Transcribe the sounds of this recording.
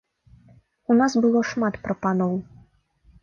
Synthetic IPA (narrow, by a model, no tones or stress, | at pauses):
unasbɨlˠɔʂmat̪pɾɐpanɔw